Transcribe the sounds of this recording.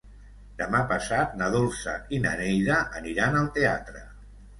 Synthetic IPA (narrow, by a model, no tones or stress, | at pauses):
d̪̥əmapəsat̪̚nəðulˠsə̰inə̰nejðəʔəniɾanəlˠt̪ea̰t̪ɾə